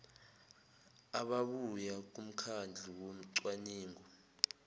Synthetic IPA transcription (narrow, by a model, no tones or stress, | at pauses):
aɓaɓujak̬um̩kʰand͡ɮʱiwom̩ǀwaniːŋɡɔ